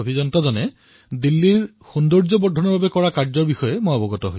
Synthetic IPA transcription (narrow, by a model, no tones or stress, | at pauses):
obʱizɔnɔtɔzɔnɛ | dilːiɹ | xundɔɹzɔbɔdʱɔnɔɹbabɛkɔɹakaɹzɔɹbixɔjɛmojɔbɔɡɔtɔɦoj